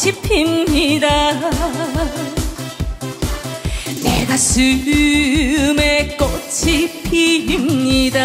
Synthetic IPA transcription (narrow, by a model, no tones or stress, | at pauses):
t͡ɕʰipʰimɲida | nḛɡasɯɯ | mekɔt͡ɕʰipʰiimɲida